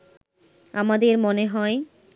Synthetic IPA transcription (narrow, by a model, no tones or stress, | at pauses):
a̰mad̪eɾmoneɦɔe